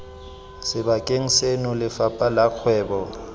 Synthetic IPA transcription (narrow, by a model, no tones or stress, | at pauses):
sɪbakʼeŋ̩senʊlɪfapʼalaq͡χʰwɛːbɔ